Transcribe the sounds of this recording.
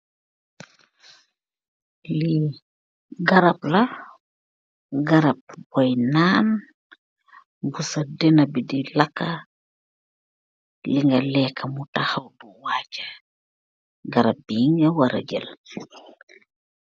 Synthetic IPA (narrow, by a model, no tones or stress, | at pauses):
li | ɡɐɾɐplɐ | ɡɐɾɐp̚bɔjnaːn | busɐdɛnɐbidilakːɐ | liŋɡɐlɛːkʰːɐmutaxɐwduwaːcɐ̥ | ɡɐɾɐp̚biːŋɐwɐɾɐ̰ɟɛ̰l